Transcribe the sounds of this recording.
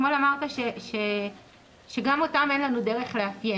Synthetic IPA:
molamaʁt̪aʃeʃe̞ | ʃe̞ɡamo̞tame̞nlanudeʁe̞χleafje

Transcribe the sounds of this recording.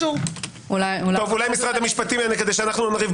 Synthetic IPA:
u | ulajult̪ovulajmisʁad̪hamiʃpat̪imeneke̞d̪eʃ̬eanaχnunaʁiv

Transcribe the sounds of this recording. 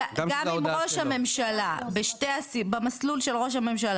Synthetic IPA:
ɡamimʁoʃhame̞mʃalabeʃtejasibemaslulʃelʁo̞ʃ̬ame̞mʃala

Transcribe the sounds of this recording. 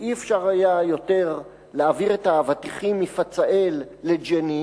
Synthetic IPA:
ʔiefʃaʁhajajo̞te̞ʁ | leaviʁetavat̪iχimifat͡saʔelːed͡ʒeni

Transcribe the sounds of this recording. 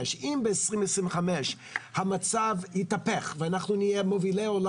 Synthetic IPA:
ʃimbeesʁimvɛsʁĩmveχamɛʃ | hamat͡savhit̪apeχveanaχnunijemovileol

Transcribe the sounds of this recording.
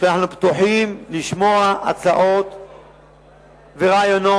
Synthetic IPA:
ʃanaħnupt̪uħimliʃmo̞aʔat͡saʔo̞t̪ | veʁaːjono

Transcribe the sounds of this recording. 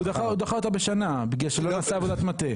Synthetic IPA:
ud̪aχaud̪aχaot̪abeʃanabiɡeʃelonasaːvod̪at̪mat̪e

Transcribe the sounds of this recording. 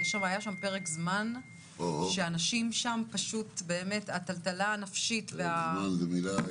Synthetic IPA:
ʃamajaʃampe̞ʁekzman | oʃeanaʃimʃampaʃutbeːme̞tataltalaːnafʃitveamanlemila

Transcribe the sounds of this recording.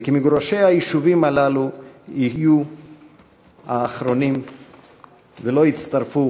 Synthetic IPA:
kimiɡɾoʃejhajiʃuvimalaluiju | haːχɾo̞nim | velo̞it͡st̪aɾfu

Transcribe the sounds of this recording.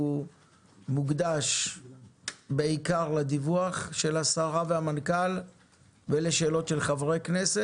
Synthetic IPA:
u | muɡd̪aʃ | beikaʁlad̪ivuaχʃe̞lhasaʁavehamankal | veleʃeːlo̞tʃelχavʁeknese

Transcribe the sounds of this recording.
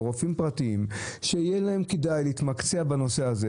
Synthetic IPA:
ʁofimpʁat̪iimʃeijelahe̞mkidajleit̪makt͡seabano̞se̞aze

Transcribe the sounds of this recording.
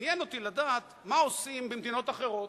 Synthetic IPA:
jeno̞t̪ilad̪aːt̪mao̞simbemd̪ino̞t̪aχeʁo̞

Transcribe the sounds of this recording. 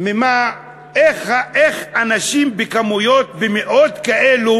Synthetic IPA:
mema | eχaʔeχanaʃimbekamujot̪bemeʔo̞t̪kaʔelu

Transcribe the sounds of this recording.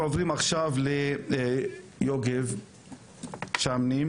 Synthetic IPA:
ovʁimaχʃavle | joɡev | ʃamnim

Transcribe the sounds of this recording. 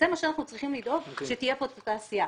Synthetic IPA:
zemaʃeanaχnut͡sʁiχimlid̪o̞ɡʃet̪ije̞pot̪at̪aːsija

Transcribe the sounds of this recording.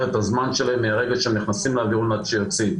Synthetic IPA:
et̪azmanʃelemeaʁeɡelʃeemniχnasimleaviʁunatʃejot͡si

